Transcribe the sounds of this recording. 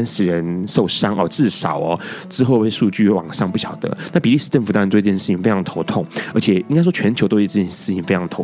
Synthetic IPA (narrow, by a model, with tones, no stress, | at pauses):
nʂɻ̩˨˩ɻə˧˦nso˥˩ʊʂɑ˥ŋʔɔ̰˨t͡sɹ̩˥˩sɑ̰˨˩˦ʊɔ˩˦ʈ͡ʂɻ̩˥xo˥˧ʊpe˥˧ɪʂu˥˧t͡ɕy˥˩wɑ̰˨˩ŋʂɑ˥˧ŋpu˥˩ɕjɑ˨˩ʊd̪ə̰˦na˥˩pi˨˩li˥˩ʂ̩˧˩ʈ͡ʂə˥˩ft̪ɑ˥˧˥t̪wʂ̩˥˩t͡ɕʰi˩fe˥ɑ˧˥ŋə˥o˧˥t̪ʰʊ˥˩ŋə˧˥t͡ɕʰjɛ˨˩i˥ŋka˥ɪʂ̬wɔ˥t͡ɕʰɥɛ˧˥nt͡ɕʰo˧˥ʊt̪o˥ʊ˥˨˩t͡ɕʂɻ̩˥˩t͡ɕʰi˧˩ŋfe˥ɪʈ͡ʂʰɑ˧ə˩o˧˦˥